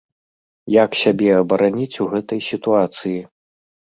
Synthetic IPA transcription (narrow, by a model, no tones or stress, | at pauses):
jaksʲabʲɛɐbɐɾanʲit͡sʲuɣɛt̪ɐjsʲit̪uat̪sɨji